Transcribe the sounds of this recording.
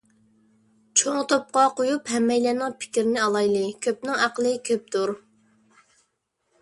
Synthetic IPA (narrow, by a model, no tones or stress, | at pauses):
t͡ʃʰoŋt̪op̚qɑqojuphɛmːɛjlæːnɪŋpʰɪ̥kʲɪɾɪnɪɑlˠɑjlˠɨkʲʰøp̚nɪŋæqəlˠɨkʲʰøp̚t̪ʰuɾ